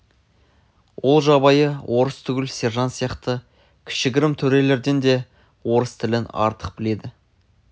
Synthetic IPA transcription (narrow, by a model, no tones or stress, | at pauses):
wʔo̞lˠʒɑbɑjəwʔo̞ɾəst̪ʰʏɡʲɪlse̞ɾʒɑnsijɑqt̪ə | kʲʰɪ̥ʃɪɡʲɪɾɪmt̪ʰɵɾe̞le̞ɾd̪e̞nd̪e̞ | wo̞ɾəst̪ʰɪlɪnɑ̰ɾt̪ʰə̥q̚bɪle̞d̪ɪ